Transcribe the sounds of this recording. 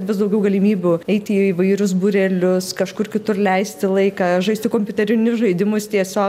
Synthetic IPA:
t̪ʋʲɪsd̪ɐʊɡʲɛʊɡɐlʲiːmʲiːbʲuːɛɪt̪ʲɪiːʋɐɪɾʲʊs̬buɾʲɛlʲʊskɐʃkʊrkʲɪt̪ʊrlʲɛɪsʲt̪ʲɪlˠɐɪkɑʒɐɪsʲt̪ʲɪkoːmʲpʲʊt̪ʲɛɾʲɪnʲʊsʒɐɪd̪ʲɪmʊst̪ʲiɛsʲoː

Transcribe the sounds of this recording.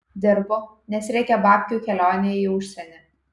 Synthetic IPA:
d̪ʲɪɾbʊ | nʲɛsɾʲɛɪkʲɛbɑːkʲt̪ʲuːkʲɛlʲoːnʲeiʊʃʲsʲɛnʲɛ

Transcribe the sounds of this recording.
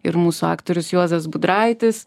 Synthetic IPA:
ɪɾmuːsʊɑ̰ːkt̪oɾʲʊsjuɔzʲɛs̬bʊd̪ɾɐɪt̪ʲɪs

